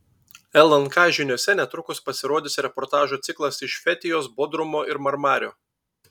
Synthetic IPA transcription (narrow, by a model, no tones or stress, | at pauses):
ɛlˠɐnkɑɪʒʲɪnʲoɔsʲɛnʲɛt̪ɾʊkʊspɐsʲɪɾoːd̪ʲɪsɾʲɛpɔːɾt̪ɑːʒuːt̪sʲɪklˠɐsɪʃfʲɛt̪ʲɪjoːsbɔd̪ɾʊmoːʔɪɾmɐɾmɑːɾʲo̰ː